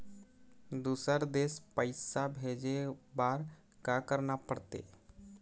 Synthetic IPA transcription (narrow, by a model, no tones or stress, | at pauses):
d̪uːsəɾd̪eːspəɪsabʱeːd͡ʒebaːɾ | kakəɾnapəɽt̪ḛː